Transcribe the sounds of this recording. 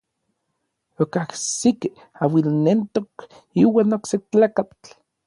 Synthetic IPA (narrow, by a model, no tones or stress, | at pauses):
okahsik | awilnent̪ok | iwaːnokset͡ɬaːkat͡ɬ